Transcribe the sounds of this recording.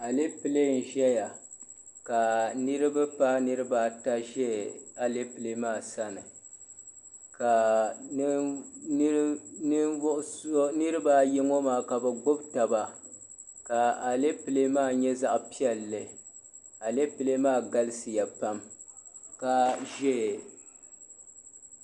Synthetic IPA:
a˨le˦pɨ˨le˦˨n̩˨ʒɛ˦ja˨ | ka˨nɨ˦ɾɨ˦bɨ˦pa˦nɨ˦ɾɨ˦baː˦ta˦ʒɛ˦a˨le˦pɨ˨le˦maː˦˨sa˦nɨ˨ | ka˨˦ | n˦ʔʊ˦so˦nɨ˦ɾɨ˦baː˦jɛ˦ŋo˦maː˨ka˨bɛ˨ɡ͡bo˦bta˨ba˦ | ka˨a˨le˦pɨ˨le˦maː˦˨ɲɛ˦za˦ʔpi˦ɛ˨lːɨ˨ | a˨le˦pɨ˨le˦maː˦˨ɡa˦lɨ˦sɨ˨ja˨pa˦m | ka˨ʒɛ˦˨

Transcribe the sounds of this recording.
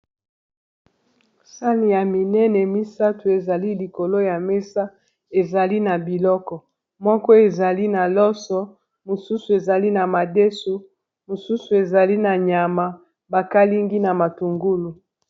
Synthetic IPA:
sa˦ni˨ja˨mi˨nɛ˦nɛ˨mi˦sa˦tu˨e˨za˨li˦li˨ko˨lo˦ja˨mɛ˦sa˦ | e˨za˨li˦na˨bi˨lɔ˦kɔ˨ | mɔ˦kɔ˦e˨za˨li˦na˨lɔ˦sɔ˦ | mo˨su˦su˨e˨za˨li˦na˨ma˨de˦so˨ | mo˨su˦su˨e˨za˨li˦na˨ɲa˨ma˨ | ba˨ka˦li˦ŋɡi˦na˨ma˨tu˨ŋɡu˦lu˨

